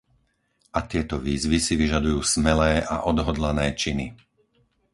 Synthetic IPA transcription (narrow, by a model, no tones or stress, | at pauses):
ʔat̪ɪɛt̪ɔʋiːzʋisiʋiʒad̪ujuːsmɛlɛːʔa̰ʔɔd̪ɦɔd̪lanɛːt͡ʃini